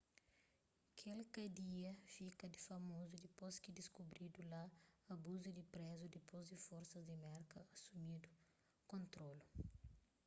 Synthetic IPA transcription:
kʰelkɐd̪iɐfikɐd̪ɪfɐmozud̪poskɪd̪iskubɾid̪ulaɐbuzud̪ɪpɾɛzud̪ipozd̪ɪfoɾsɐzd̪ɪmɛɾkɐɐsumid̪u | kõnt̪ɾolu

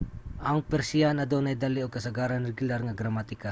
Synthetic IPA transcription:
ʔɐŋpɛɾsɪanɐd̪onɐjd̪alɪoɡ̚kɐsɐɡaːɾɐnɾɛɡʊlaɾŋɐɡɾɐmat̪ɪka

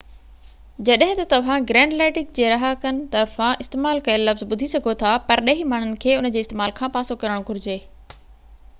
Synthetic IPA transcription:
d͡ʑɐɗɦɪ̃t̪ɐt̪ɐʋ̤ãɡɾɛ̃ːɳɖleːʈɪk̚d͡ʑeːɾɐɦakɐnɪ̆t̪ɐɾfãɪst̪eːmaːlkɐelɐfzɓʊd̪ʱisɐɡʱot̪ʰapɐɾɗɐɦimaːɳ̤ʊnɪ̆kʰeːʊnə̆d͡ʑeːst̪eːmaːlkʰãːpaːsokɐɾəɽ̃ɡʱʊɾɪd͡ʑeː

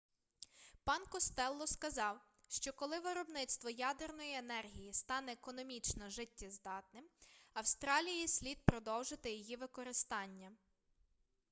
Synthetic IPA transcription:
pɑnkɔst̪ɛlˠːɔskɐzɑw | ʃt͡ʃɔkɔlˠɪʋeɾɔbnɪt̪st̪ʋɔjɑd̪ernɔjienɛrɦʲijist̪ɑnɛːkɔnɔmʲit͡ʃnɔʒɪtʲːizd̪ɑt̪nɪmɐwst̪ɾɑlʲijjisʲlʲid̪̚pɾɔd̪ɔwʒɪt̪ɪjɔjiʋɪkɔɾɪst̪ɑnʲːɐ

